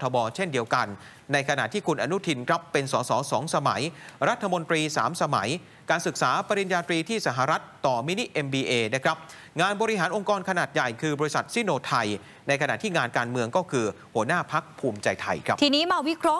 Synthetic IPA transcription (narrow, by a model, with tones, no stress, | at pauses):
t̪ʰɔː˧bɔː˧t͡ɕʰe˥˩ndi˧əwka˧nː | a˧jkʰa˧na̰˨˩t̪ʰiː˥˩kʰu˧nʔa˧nu˦˥t̪ʰi˧nkʰɾa˦˥pːe˧nsɔː˩˦sɔː˩˦sɔː˩˦ŋsa˧ma̰˩˦jɾa˦˥t̪ʰːa˧mo˧nt̪ɾiː˧saː˩˦msa˧ma˩˦j | kaː˧nsɯ˨˩k̚saː˩˦pa˧ɾi˧njaː˧t̪ɾiː˧t̪ʰiː˥˩sa˧ɦa˨ɾa˦˥t̪ːɔː˨˩mi˦˥ni˦˥ʔe˧mbiː˧ʔeː˧na˦˥kʰɾa˦˥p̚ | ŋaː˧nbɔː˧ɾi˦˥ɦaː˩˦nʔo˧ŋkɔː˧nkʰa˧naː˨˩t̪̚ja˨˩jkʰɯː˧bɔː˧ɾi˧˥sa˨˩t̪̚si˥˩noː˧t̪ʰa˧j | na˧jkʰna˨˩t̪ʰiː˥˩ŋaː˧nkaː˧nmɯ˧əŋkɔː˥˩kʰɯː˧hu˩˦ənaː˥˩pʰa˦˥k̚pʰuː˧mt͡ɕa˧jt̪ʰa̰˧jkʰɾa˦˥pt̪ʰiː˧niː˦˥ma˧wi˦˥kʰɾɔ˦˥